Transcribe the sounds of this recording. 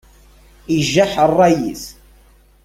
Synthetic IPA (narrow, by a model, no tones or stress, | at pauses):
iʒːaħərˤːɑjḭs